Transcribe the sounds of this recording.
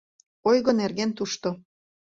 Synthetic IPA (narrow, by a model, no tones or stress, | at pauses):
ojɣɤnerɣent̪uʃt̪o